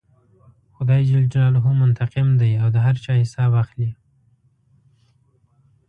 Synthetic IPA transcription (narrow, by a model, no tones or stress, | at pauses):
xʊd̪ɑjd͡ʒɪld͡ʒɑlɦumːʊnt̪aqɪmd̪ajawd̪əɦaɾt͡ʃɑhɪsɑbaxli